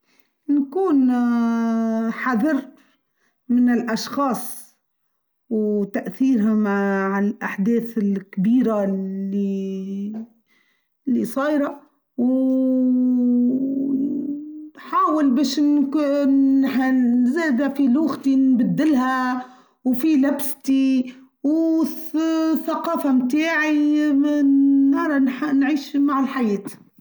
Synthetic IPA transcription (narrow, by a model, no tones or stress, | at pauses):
nkuːn | ħɑðˤɨɾ | mɪnɪlʔɑʃxɑːsˤ | wt̪aʔθiːɾɦamaʕɪlʔaħd̪eːθɪlkbiːɾai | lːisˤɑːjɾa | w | nħaːwɪlbeːʃnk | zeːd̪afiluːɣt̪inbad̪ːɪlɦa | wfilabst̪i | w | θaqɑːfamt̪aːʕi | ɑɾˤɑnnʕiːʃmaʕɪlħajeːt̪i̥